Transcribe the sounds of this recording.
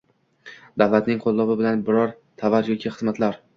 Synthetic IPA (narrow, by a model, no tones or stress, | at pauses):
d̪avlˠat̪nɪŋqʰolˠːɒbɪbɪlanbɪɾɒɾ | t̪ʰavaɾjɒkʲʰiχɨzmat̪laɾ